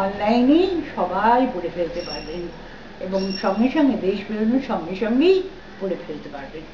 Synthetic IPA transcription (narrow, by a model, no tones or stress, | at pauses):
ɔnlajnijʃɔbajpoɽefelt̪epaɾlen | eboŋʃɔŋɡeʃɔŋɡed̪eʃbiɾonuɾʃɔŋːeʃɔŋɡej | poɽefelt̪epaɾben